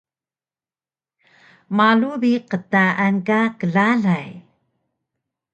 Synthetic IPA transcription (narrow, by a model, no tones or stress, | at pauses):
malubiqətaʔankakəɮaɮaj